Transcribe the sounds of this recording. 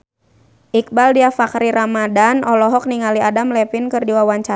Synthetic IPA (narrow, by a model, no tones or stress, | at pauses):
ʔik̚baldiafakɾiɾamadanɔlɔɦɔk̚niŋaliadamlɛpinkɨrdiwawaɲt͡ʃa